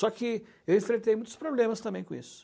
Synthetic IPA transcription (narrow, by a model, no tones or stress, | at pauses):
sɔkɪ | ewẽt̪ɾet̪ejmũj̃t̪ʊ̥spɾoblẽmɐst̪ɐ̃mbẽj̃kõḭsʊ̥